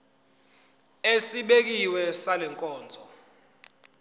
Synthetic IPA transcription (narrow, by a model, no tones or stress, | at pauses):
esiɓek̬iwɛsalɛŋkʼɔːnd͡zʱɔ